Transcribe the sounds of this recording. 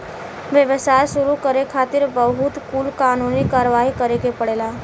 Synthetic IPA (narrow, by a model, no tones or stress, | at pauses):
ʋjəʋəsaːjʃʊɾukəɾekʰaːt̪ɪɾbəɦʊt̪kuːlkaːnunikaːɾəʋaːɦikəɾekepəɽeːlaː